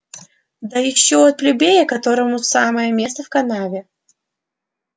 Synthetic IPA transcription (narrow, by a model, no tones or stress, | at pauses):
d̪ɐjɪɕːoɐt̪̚plʲʊbʲejəkɐt̪o̞ɾəmʊsaməjəmʲest̪əfkɐnavʲɪ